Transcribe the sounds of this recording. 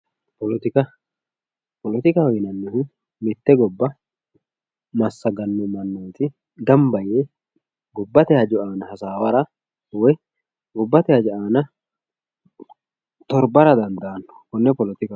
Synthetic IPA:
pɔlɔt̪ɪkɐ | pɔlt̪ɪkɐwɡɪnɐnːʊhʊ | mɪt̪ːɛɡɔbːɐ | mɐsːɐɡɐnːʊmɐnːɔjt̪ɪ | ɡ̪ɐmbɐje | ɡɔbːɐt̪ɛhɐd͡ʒʊaːnɐhɐsaːwɐɾɐ | wɛ | ɡɔbːɐt̪ɛhɐd͡ʒʊʔaːnɐ | t̪ɔɾbɐɾɐd̪ɐnd̪ɐʔɐnːɔ̥kʊnːɛpɔlɔt̪ɪkɐ

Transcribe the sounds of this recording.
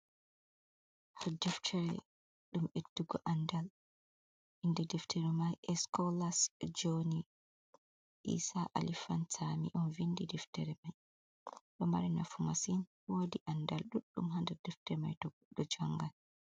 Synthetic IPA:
hadɛftʰɛɾɛ̰ | ɗumetːuɡɔʔandal | indɛdɛftʰɛɾɛmajʔɛskɔlasd͡ʒoni | ʔḭsaʔa̰lifantʰamḭʔɔnvindidɛftɛɾɛmaj | ɗɔma̰ɾina̰fumasin | woːdiʔandalɗuɗːṵmɦandɛdɛftɛma̰jtɔɡuɗːɔd͡ʒaŋɡal

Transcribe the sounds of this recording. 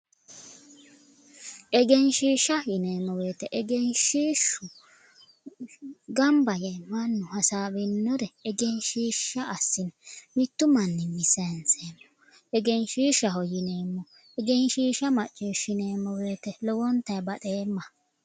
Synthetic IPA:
ʔɛɡɛnʃiːʃɐjɪneːmːɔwe̞ːt̪ɛʔɛɡɛnʃiːʃʊ | ɡɐmbɐjɛmɐnːʊhɐsaːbɪnːɔɾɛɛɡɛnʃiːʃːɐːsːɪnɛmɪt̪ːʊmɐnːɪmɪsɐnseːmːɔ̥ | ɛɡɛnʃiːʃːɐɦɔjɪne̞ːmːɔ | ɛɡɛnʃiːʃːɐmɐt͡ʃʼːiːʃɪne̞ːmːɔwe̞ːt̪ɛlɔwɔnt̪ɐjbɐᶑe̞ːmːɐ

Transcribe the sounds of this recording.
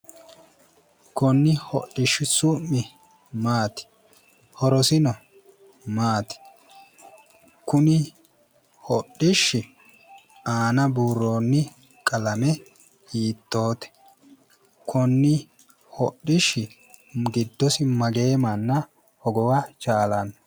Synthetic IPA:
kɔnːɪhɔ̰ɗɪʃːɪsʊmːɪ | maːt̪ɪ̥ | hɔɾɔsɪnɔ | maːt̪ɪ̥ | kʊnɪ | hɔɗːɪʃːɪ | aːnɐbuːɾːo̞ːnːɪ | kʼɐlɐmɛ | hiːt̪ːo̞ːt̪ɛ̥ | kʰɔnːɪ | hɔɗɪʃːɪ | ɡɪd̪ːɔsɪmɐɡe̞ːmɐnːɐ | hɔɡɔwat͡ʃʼaːlɐn

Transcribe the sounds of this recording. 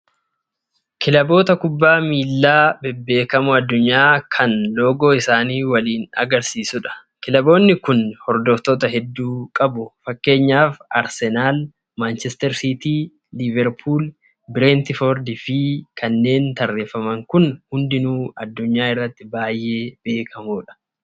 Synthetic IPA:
kʰɪlɐbo̞ːt̪ɐkʊbːaːmiːlːaːbɛbːe̞ːkɐmʊɐd̪ːʊɲːaːkʰɐnlo̞ːɡo̞ːɪsaːniːwɐliːnɐ̰ɡɐɾsiːsʊᶑɐ̥ | kɪlɐbo̞ːnːɪkʊnhɔɾd̪ɔft̪oːt̪ɐɦɛd̪ːuːkʼɐbʊfɐkːe̞ːɲːaːfʔɐɾsɛnaːl | maːnt͡ʃɛst̪ɛɾsit̪iː | lɪvɛɾpʰuːl | bɪɾɛːnt̪ɪfɔɾd̪ɪfikʰɐnːe̞ːnt̪ɐrːeːfɐmɐŋkʊnhʊnd̪ɪnuːɐd̪ːʊɲːaːɪrːɐt̪ːɪbaːjʔe̞ːb̥e̞ːkʰɐmuːᶑɐ̥

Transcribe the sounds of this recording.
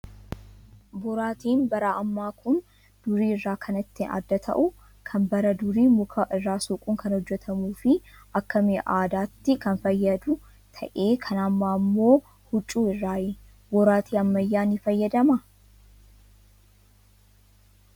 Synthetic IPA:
bʊɾaːt̪iːnbɐɾɐɐmːaːkʰʊn | d̪̥ʊɾiːɪrːaːkʰɐnɪt̪ːɪnɐ̰d̪ːɐt̪ʰɐ̰ʔʊ | kʰɐmbɐɾɐd̪ʊɾiːmʊkʰɐʔɪrːaːsʊkʼʊːŋkɐnhɔd͡ʒːɛt̪ʰɐmuːfɪɐkːɐmeʔaːd̪aːt̪ːɪkɐnfɐjːɐd̪ʊ | t̪ʰɐ̰ʔeːkʰɐnɐmːaːmːo̞ː | hʊt͡ʃʼːuːɪrːaːjɛ | bɔɾaːt̪iːɐmːɐjːaːnɪfɐjːɐd̪ɐmɐ

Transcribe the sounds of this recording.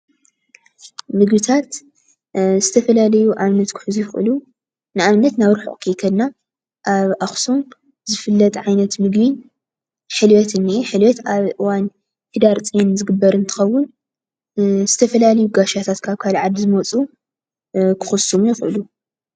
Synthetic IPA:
mɨɡβɨt̪ʰat̪ | zɨt̪ʰɐfɐlalɐjuʔamnɐt̪kʰɨ̥ħɨzujɪxɨ̰lu | nɨʔamnɐt̪naβɾuħṵʔʼkʰijkʰɐd̪na | ʔaβʔaxsum | zɨfɨlːɐt̪ʼʕajnɐt̪mɨɡβin | ħɨlwɛt̪ɨnːiħɨlwɛt̪aβʔɨwan | hɨd̪aɾt͡sʼenzɨɡɨbːɐɾɨnt̪ʰɨ̥xɐwːʊn | z̥ɨt̪ʰɐfɐlalɐjuɡaʃat̪ʰat̪kʰaβkʰalʕad̪ɨzɨmɐt͡sʼu | kʰɨ̥xɨsːumujɪxʔɨlu

